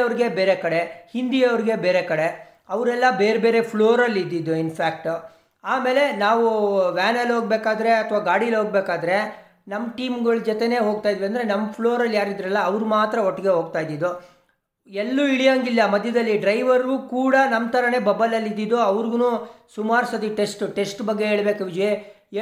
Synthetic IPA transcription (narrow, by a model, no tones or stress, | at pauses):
ɐʋɾiɡe̞beːɾekɐɽe̞hind̪iɐʋɾiɡe̞beːɾekɐɽe̞ | ɐʋɾɛlːɐbeːɾbe̞ːɾe̞pʰɭo̞ːɾɐlːid̪ːid̪ːuinpʰaːk̚ʈ | aːme̞ːle̞naːʋuʋaːnɐlɦoːɡ̚beːkaːd̪ɐɾe̞ɐt̪ʰʋaːɡaːɽiɐlɦoːɡ̚beːkaːd̪ɐɾe̞ | nɐmːɐʈiːmɡɐɭd͡ʒɔt̪ene̞ːɦo̞ːɡ̚t̪aːjd̪ʋɐnd̪ɐɾenɐmːɐpʰɭoːɾɐljaːɾid̪ɾɐlːɐːʋɾumaːt̪ɾɐɔʈːɛɡe̞ɦo̞ːɡ̚t̪aːjd̪id̪u | elːuiɭijaŋɡilːɐmɐd̪ʱjɐd̪ɐlːiɖɾɐjʋɐɾuːkuːɽɐnɐmt̪ʰɐɾɐne̞ːbɐbɐlɐlːid̪ːid̪ːuɐʋɾɡunusumaːɾsɐd̪iʈe̞sʈʈe̞sʈbɐɡːe̞ɦeːɭbe̞ːkuʋid͡ʒi